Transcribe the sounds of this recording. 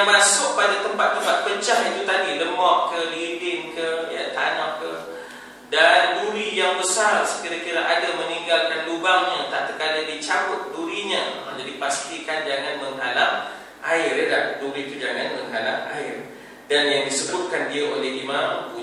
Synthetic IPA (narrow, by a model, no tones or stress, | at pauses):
mãsʊk̚padat̪əmpat̪ːəmpat̪̚pət͡ʃaɦit̪ut̪adiləmɔʔkəlibɪnkəjə̰t̪anaʔkə | danduɾijaŋbəsarsə̥kiɾakiɾaʔadaməniŋɡalkanlubaŋɲat̪aʔt̪əkaladit͡ʃawʊt̪̚duɾiɲaa̰d͡ʒadipast̪ikand͡ʒaŋanməŋɦalam | ʔaɪrjədap̚duɾit̪ud͡ʒaŋanməŋɦalama̰ɪr | danjaŋdisəbʊt̪̚kandiaʔoleɦimãmpu